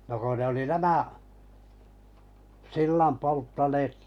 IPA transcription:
no ko ne oli næmæʔ silːɑm poltːɑneːt

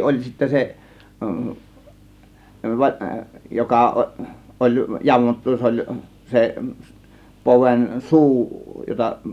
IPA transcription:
olʲ sitːæ se jokɑ ʔo ʔolʲ jɑmotːu s olʲ se se poʋen suː jotɑ

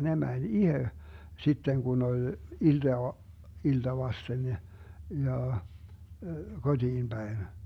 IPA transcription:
ne mænʲ ihe sitːeŋ kun olʲ ild̥ɑː iltɑ ʋɑsten ne jɑ kod̥iːm b̥æin

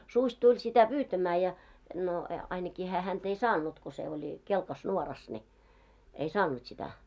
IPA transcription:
susʲ tulʲ sitæ pyːtæmæː jɑ no e ɑinɑkiː hæː hænt ei sɑːnˑut ko se olʲ kelkɑs nuorɑs ni ei sɑːnˑut sitæ

